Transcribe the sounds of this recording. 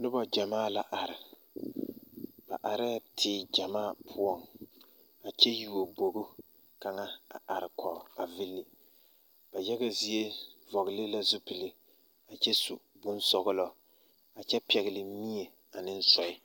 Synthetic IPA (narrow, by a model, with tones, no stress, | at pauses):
nʊ˦bɔ˨d͡ʒa˨maː˦˨la˨ʔa˨ɾɪ˨ | b̥a̰˨ʔa˨ɾɪ˦˨tʰɪː˨d͡ʒa˨maː˦˨pʰʊ˦ɔ˦ŋ | a˨t͡ʃɛ˦ju˨o˨bo˨ɡʊ˦ | ka˨ŋa˦a̰˨ʔa˨ɾɪ˨kʰɔ˨a˨vɪ˦lːɪ˨ | b̥a˨jɛ˦ɣa˦zi˦e˦vɔ˨ɣɪ˨lɪ˦la˦zʊ˦pɪ˨lɪ˨ | a˨t͡ʃɛ˦su˨ | bʊ˦nsɔ˨ɣʊ˦lɔ˨ | a˨t͡ʃɛ˦pɛ˨ɣɪ˨lɪ˨˦mi˦e˨ | a˨nɪ˦n̩˦sɔ˨ɪ˦